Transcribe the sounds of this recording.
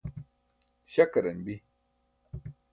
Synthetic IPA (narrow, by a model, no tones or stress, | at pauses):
ɕɐkɐɾɐnbi